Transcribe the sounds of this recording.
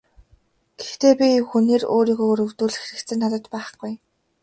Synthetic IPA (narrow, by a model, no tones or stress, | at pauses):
ɡ̥e̥xt̪eːpʲixuneːro̰ːɾiːɣoːɵɾɵ̆wt̪uːɮɘ̆xeɾɘ̆k̪t͡sɘ̆nːat̪ə̆t̪pæːχɡ̥uj